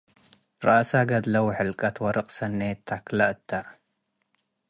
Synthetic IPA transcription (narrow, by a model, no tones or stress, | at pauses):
ɾɑ̰ʔsaɡɐd̪lɐwħəlkʼɐt̪ʰwɐɾɨqʼsɐnːeːt̪ʰːaklaʔt̪ʰːa